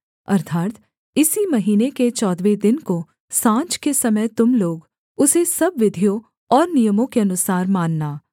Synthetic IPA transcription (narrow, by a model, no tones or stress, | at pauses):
ɐ̰ɾt̪ʰaːt̪ | ɪsimɐɦiːneket͡ʃɔːd̪ʋed̪ɪnko | sãːt͡ʃkesɐmət̪ʊmloːɡ | ʊsesɐbʋɪd̪ʱijõ | ɔːɾnijəmõkeɐnʊsaːɾmaːnːaː